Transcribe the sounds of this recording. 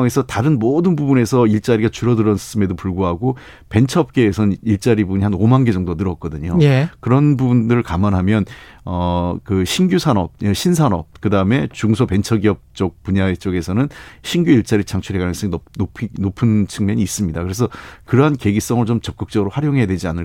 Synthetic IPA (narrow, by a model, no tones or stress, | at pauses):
ŋe̞sʰʌtaɾɯnmodɯnbubune̞sʰʌiɭt͡ɕ͈aɾiɡat͡ɕuɾʌdɯɾʌnʰs͈ʰɯme̞dopuɭɡuɦaɡo | pe̞nt͡ɕʰʌp̚k͈e̞ːsʰʌnɯniɭt͡ɕ͈aɾibuɲihanomanɡe̞d͡ʑʌŋdonɯɾʌt̚k͈ʌdɯɲojekɯɾʌnbubundɯɾɯɭkamʌnɦamjʌn | ʌkɯɕʰinɡjusʰanʌp̚eɕʰinsʰanʌp̚kɯdaɯme̞t͡ɕuŋsʰʌpe̞nt͡ɕʰʌɡiʌp̚t͡ɕ͈ʌk̚puɲaet͡ɕ͈ʌɡe̞sʰʌnɯnɕʰinɡjuiɭt͡ɕ͈aɾit͡ɕʰaŋt͡ɕʰuɾekanɯŋs͈ʌɡionopʰinopʰɯnt͡ɕʰɯŋmjʌɲiːs͈ɯmɲidakɯɾe̞sʰʌkɯɾʌɦanke̞ɡis͈ʌŋɯɾot͡ɕomt͡ɕʌp̚k͈ɯk̚t͡ɕ͈ʌɡɯɾoɸwaɾjoŋɦe̞jadwe̞d͡ʑianɯɭ